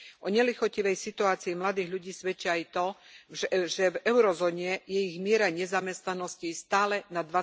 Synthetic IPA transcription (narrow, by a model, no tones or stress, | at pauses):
ʔɔɲɛlixɔciʋɛjsit̪uaːt͡siimlad̪iːɣʎuɟiːsʋɛt͡ʃiajt̪ɔʒɛʒɛvɛʊɾɔzɔːɲɛjɛiɣmɪɛɾaɲɛzamɛst̪nanɔscist̪aːlɛnad̪ʋa